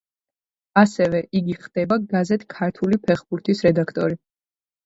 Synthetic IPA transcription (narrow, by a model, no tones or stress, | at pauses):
asɛvɛʔiɡiχd̪̥ɛbaɡazɛt̪ʰkʰaɾt̪ʰulipʰɛχbuɾt̪ʰisɾɛd̪akʰt̪ʼɔɾi